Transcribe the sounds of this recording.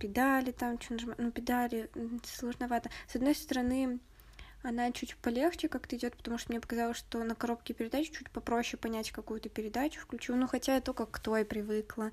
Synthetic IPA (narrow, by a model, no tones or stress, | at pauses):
pʲɪd̪alʲɪt̪amt͡ɕonʐmanupʲɪd̪alʲɪslˠəʐnɐvat̪əsɐd̪no̞jst̪əɾɐnɨ | ɐnat͡ɕutʲpɐlʲe̞xt͡ɕɪkakɛ̥t̪əɪdʲo̞t̪̚pə̥t̪ɐmuʂt̪omnʲe̞pə̥kɐzɑlˠəsʂt̪o̞nəkɐɾo̞p̚kʲɪpʲɪɾʲɪd̪at͡ɕʊ̥t͡ɕutʲpɐpɾo̞ɕːɪpɐnʲætʲkɐkujʊt̪əpʲɪɾʲɪd̪at͡ɕʊ̥fklʲʉt͡ɕilˠnuxɐtʲaɛt̪ːokɐkːt̪o̞ɪpɾʲɪvɨklˠə